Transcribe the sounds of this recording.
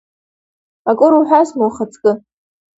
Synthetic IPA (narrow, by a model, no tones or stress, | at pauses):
akʼʊɾuħʷᶣasnuwχət͡sʼkʼɨ